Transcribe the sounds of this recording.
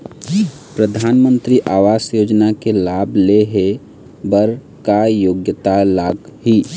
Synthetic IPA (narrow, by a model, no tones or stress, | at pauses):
pɾəd̪ʱaːnmə̃nt̪ɾiʔaːʋaːsjoːd͡ʒnakelaːbʱleɦe | bəɾ | kajoːɡjət̪alaːɡɦi